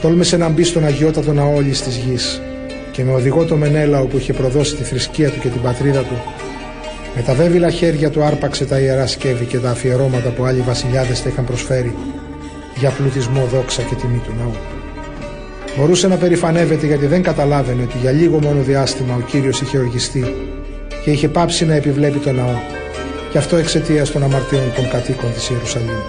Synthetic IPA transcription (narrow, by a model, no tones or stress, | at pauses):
t̪o̞lmesenɐmbist̪o̞nɐʝio̞t̪ːɐt̪o̞nɐooʎist̪izʝis | ceme̞o̞ðiɣo̞t̪o̞me̞ne̞lɐo̞puiçe̞pɾo̞ðo̞si̥t̪ifɾisciɐt̪uce̞t̪ibɐt̪ɾiðɐt̪u | me̞t̪ɐve̞vilɐçe̞ɾʝɐt̪uɐɾpɐkse̞t̪ɐieɾɐsce̞vice̞t̪ɐːfie̞ɾo̞mɐt̪ɐpuɐʎivɐsiʎɐðe̞st̪ɐixɐmpɾo̞sfe̞ɾi | ʝɐpluiθizmo̞ðo̞ksɐce̞t̪imit̪unɐo | bo̞ɾuse̞nɐpe̞ɾifɐne̞ve̞t̪e̞ʝɐt̪iðe̞ŋɡɐt̪ɐlɐve̞neo̞t̪iʝɐʎiɣo̞mo̞no̞ðiɐst̪imɐo̞ciɾio̞siçe̞oɾʝist̪i | ce̞içe̞pɐpsinɐe̞pivle̞pit̪o̞nɐo̞ | ceɐft̪o̞e̞kse̞t̪iɐst̪o̞nɐmɐɾt̪io̞nt̪o̞ŋkɐt̪iko̞nt̪i̥sieɾusɐʎim